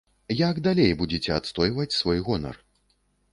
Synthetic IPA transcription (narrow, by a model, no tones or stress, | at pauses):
jaɡd̪alʲejbud͡zʲɛt͡sʲɛat̪st̪ɔjvɐt͡sʲsvɔjɣɔnɐ̰r